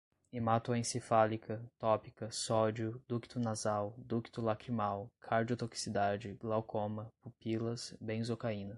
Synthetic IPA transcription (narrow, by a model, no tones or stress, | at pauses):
imat̪uɐẽsefalikʰɐt̪ɔpikɐsɔd͡ʒiʊd̪uki̥t̪ʊnazawd̪uki̥t̪ʊlakɾimawkʰaɾd͡ʒiot̪oki̥sid̪ad͡ʒɪɡlawkʰõmɐpupilɐsbẽj̃zokaĩnɐ